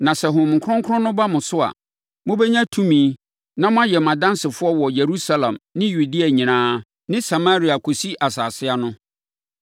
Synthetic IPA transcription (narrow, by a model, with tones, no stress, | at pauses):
nã˨sɛ˨ɦʊ̃˨m˨kʰʊ˦ɔ̃˦ŋ˦kʰʊ˦ɔ̃˦nʊ̃˦ba˦mʊ̃˨sʊ˦a̰˨ | mʊ̃˦bɛ˦ɲã˦tʰũ˦mĩː˨˦ | nã˦mʊ̃˦a˦jɛ˨m˨ã˨dã˦nsɪ˨fʊ˦ɔ˦wɔ˨je˨ɾu˦sa˦lã˨mnɪ̃˦ju˨di˦a˨ɲĩ˨nãː˦ | nɪ̃˦sa˨ma˦ɾi˨˦a˨kʰo˨si˦ʔa˨saː˨sɪ˦a˦nʊ̃˦